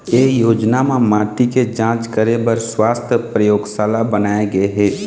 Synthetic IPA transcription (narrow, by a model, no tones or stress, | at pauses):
eːjoːd͡ʒnamẽmaːʈiked͡ʒãːt͡ʃkəɾebəɾswaːst̪ʰəpɾəjoːɡsaːlabənaːeɡəeɦɛː